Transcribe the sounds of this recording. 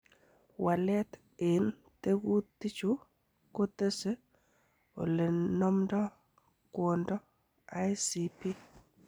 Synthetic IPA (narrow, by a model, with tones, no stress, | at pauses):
wa˨lɛ˦t | e˨n | te˦ɡu˦tːi˦t͡ʃu˦ | ko˦tə˦se˦ | o̰˨le˨nɔ˦mdɔ˦ | kwɔ˨ndɔ˦ | a˦jsi˨pi˦